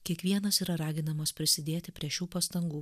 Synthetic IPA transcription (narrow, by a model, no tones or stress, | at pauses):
kʲiɛkʋʲiɛnɐsiːɾɐɾɑːɡʲɪnɐmɐspʲɾʲɪsʲɪd̪ʲeːt̪ʲɪpʲɾʲiɛʃʲuːpɐst̪ɐŋɡuː